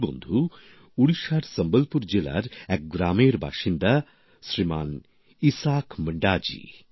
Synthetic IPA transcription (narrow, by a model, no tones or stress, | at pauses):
bo̰nd̪ʱu | uɭiʃaɾsɐmbəlpuɾd͡ʒila̰ɾɛk̚ɡɾaːmeɾbʱa̰ːʃind̪a | sɾimaːn | isaːkməɳɖaːd͡ʑḭː